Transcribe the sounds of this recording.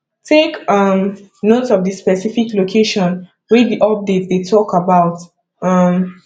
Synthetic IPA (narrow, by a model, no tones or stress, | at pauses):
tʰekʌm | notɔvdispɛsifiklokʰeʃɔ̃n | wɛdiʔɔp̚det̚ðetʰɔkabaʊt | ʌm